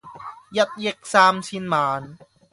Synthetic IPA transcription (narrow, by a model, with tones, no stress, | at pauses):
ja˧˩t̪̚je˧˩k̚saː˧msʰi˧nmaː˩˦n